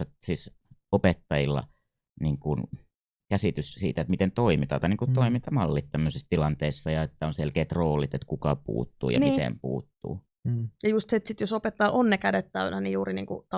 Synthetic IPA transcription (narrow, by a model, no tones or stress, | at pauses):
ɑsiːs | opet̪ːɑjilːɑ̰ | niːŋkun | kæsit̪yssḭːt̪æet̪mit̪ent̪oimit̪ɑˑt̪ɑˑiniːŋkut̪t̪oimint̪ɑmɑlːit̪t̪æmːøsist̪ilɑnt̪eːˑsːɑjɑet̪ːæonselkeːt̪roːlit̪et̪kukɑpṵːt̪ːṵːjɑ̰nmit̪ḛmpṵːt̪ːṵː | jɑjust̪seet̪sit̪josopet̪ːɑːʔonːekædet̪t̪æynænijuːrinḭːŋkṵt̪ɑ